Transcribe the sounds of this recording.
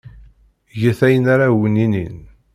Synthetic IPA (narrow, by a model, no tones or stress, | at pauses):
ʝəθæjənaɾawəninḭn